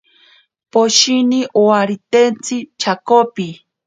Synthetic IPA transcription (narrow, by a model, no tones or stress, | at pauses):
poʃiniʔowaɾit̪ent͡sit͡ʃʰakopi